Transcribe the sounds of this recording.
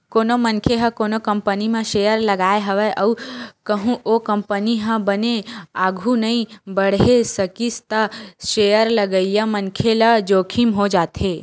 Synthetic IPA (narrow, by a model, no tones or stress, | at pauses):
koːnomənkʰeɦə̃koːnokə̃mpənimãʃejəɾləɡaːeɦɐʋeʔəukəɦũʔokəmpəniɦə̃bəneaːɡʱũnɐĩbəɽ̤esəkist̪aʃejəɾləɡəijəmənkʰelad͡ʒoːkʰimɦod͡ʒaːt̪e